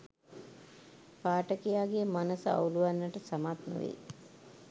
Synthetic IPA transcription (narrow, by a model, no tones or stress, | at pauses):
paːʈəkijaːɡemanəsəa̰uluʋanːəʈəsamat̪nṵʋḛ